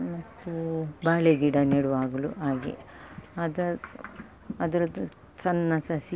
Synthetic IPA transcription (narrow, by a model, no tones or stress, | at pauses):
mɐt̪ːubaːɭeɡiɽɐneɽuʋaːɡɐluʔaːɡḛɐd̪ɐ | ɐd̪ɐɾɐd̪u | t͡ʃɐnːɐsɐsi